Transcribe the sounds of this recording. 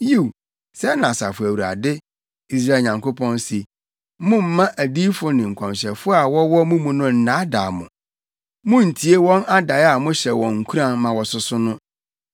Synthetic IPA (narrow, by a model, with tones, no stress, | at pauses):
ji˦˨w | sɛ˦nã˨sa̰˨fʊ˨æ˨wu˨ɾa̰˨dɪ˦ | i˦s̬ɾa˦e˨ɲã˨ŋko˦pʰɔ̃˦nsi˨ | mʊ̃˦m̩˨˦mã˦ʔæ˨diː˦fʊ˦nɪ̃˨ŋ̩˨kʰɔ̃˨mɕɛ˨fʊ˦a˨wɔ˦wɔ˦mʊ̃˦mũ˨nʊ̃˦n̩˨nã˦da̰˨mʊ̰̃˨ | mʊ̃˦n̩˨tʰi˨˦e˦wɔ̃˦na˦da˨ja˨mʊ̃˦ɕɛ˨wɔ̃˨ŋ̩˨kʰu˦ɾã˨nmã˨wɔ˨sʊ˨sʊ˦nʊ̃˦